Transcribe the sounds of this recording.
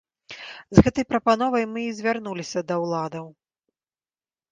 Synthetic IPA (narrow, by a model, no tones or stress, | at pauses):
zɣɛt̪ɐjpɾɐpan̪ɔvɐjmɨːzʲvʲarnulʲisʲɐd̪ɐwlˠad̪ɐw